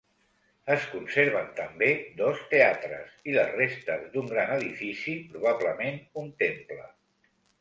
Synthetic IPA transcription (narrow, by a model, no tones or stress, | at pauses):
əskunseɾβənt̪əmbed̪ɔst̪eat̪ɾə̰siləzrest̪əzd̪uŋɡɾanəðifisipɾuβ̞aβləmenunt̪emplə̰